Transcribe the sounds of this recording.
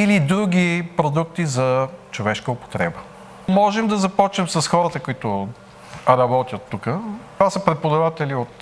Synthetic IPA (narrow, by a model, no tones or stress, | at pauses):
ilid̪ɾuɡʲipɾod̪uk̚t̪izɐt͡ʃovɛʃkəopo̥t̪ɾɛbə | mɔʒɛmd̪ɐzɐpɔt͡ʃnɛmsɐsxɔɾət̪əkʊit̪ʊ | ɾɐbɔt̪ʲjət̪ːukət̪vasəpɾɛt̪̚pod̪ɐvat̪ɛliot̪